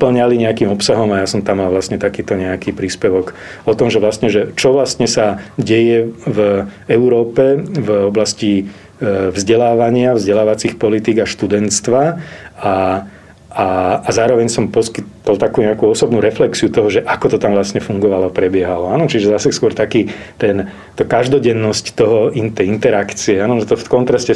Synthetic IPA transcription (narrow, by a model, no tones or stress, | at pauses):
pl̩ɲaliɲɛakiːmɔpsaɦɔmajasɔmt̪amːalaʋlast̪ɲɛt̪akiːt̪ɔɲɛakiːpɾiːspɛʋɔɡ | ɔt̪ɔmʒɛʋlast̪ɲɛʒɛt͡ʃɔʋlast̪ɲɛsaɟɛjɛvɛuɾɔːpɛvɔblasci | vzɟɛlaːʋaɲɪavzɟɛlaːʋat͡sixpɔlit̪iːɡaʃt̪ud̪ɛnt̪st̪ʋaa | aːzaːɾɔʋɛɲsɔmpɔskit̪l̩t̪akuːɲɛakuɔsɔbnuɾɛflɛksiut̪ɔɦɔʒɛʔakɔt̪ɔt̪amʋlasɲɛfuŋɡɔʋalɔapɾɛbɪɛɦalɔaːnɔt͡ʃiʒɛzasɛskʊɔɾt̪akiːt̪ɛn | t̪akaʒd̪ɔɟɛnːɔsct̪ɔɦɔint̪ɛint̪ɛɾakt͡siɛaːnɔnɔt̪ɔfkɔnt̪ɾascɛ